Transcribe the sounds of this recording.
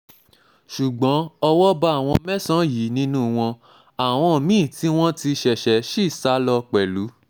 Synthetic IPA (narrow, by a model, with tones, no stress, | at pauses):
ʃu˨ɡ͡bɔ̃˨˦ɔ˧wɔ˦ba˦a˦˨w̃ɔ̃˧mɛ˦sã˦ji˨˦nĩ˦nũ˦˨w̃ɔ̃˧ | a˨w̃ɔ̃˧˨mĩ˦˨ti˦w̃ɔ̃˦ti˧ʃɛ˨ʃɛ˨˦ʃi˦˨sa˨˦lɔ˧k͡pɛ˨lu˨˦